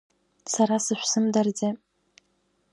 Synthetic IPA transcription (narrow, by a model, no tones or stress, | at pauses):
saɾasɨʃʷsɨmdard͡ze